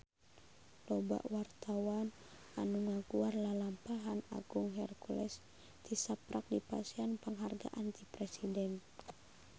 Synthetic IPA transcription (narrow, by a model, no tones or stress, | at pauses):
lɔba̰ʔwart̪awan | ʔanuŋaɡuarlalampaɦana̰ɡuŋɦɛrkulɛ̰s | t̪isapɾak̚dipa̰sianpəŋɦarɡa̰ʔant̪ipɾɛsidɛn